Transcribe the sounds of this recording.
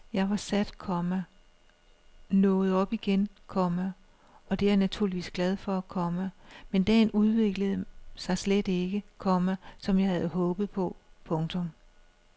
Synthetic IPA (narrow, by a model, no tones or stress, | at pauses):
jɑ̈ɪʋɑ̈sæd̥kʰɒmæ | nɔ̽ːð̩ˠɒ̽b̥iɡ̥enkʰɒ̽mæ | ɒ̽d̥e̝æɐnæt͡sʰuɐliʋḭːsɡ̥lɛð̞ˠfɒ̽ækʰɒ̽məmend̥ɛ̰ːnuð̞ˠʋe̝ɡ̥ləð̩ˠsɑ̈ɪsled̥e̝ɡ̥əkʰɒ̽mæsɒ̽mjɑ̈ɪhæð̞̩ˠɦɔ̽ːb̥ð̩ˠpʰɒ̽pʰɔ̽ŋt͡sʰɔ̽m